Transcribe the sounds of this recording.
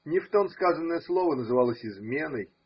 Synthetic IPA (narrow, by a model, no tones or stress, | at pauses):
nʲɪft̪omskazənːəjəslˠovənəzɨvalˠəsʲɪzmʲe̞nəj